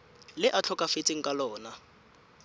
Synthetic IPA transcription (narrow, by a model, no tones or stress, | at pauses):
lɪʔat͡ɬʰɔkʼafet͡sʼɪŋ̩kʼalɔːna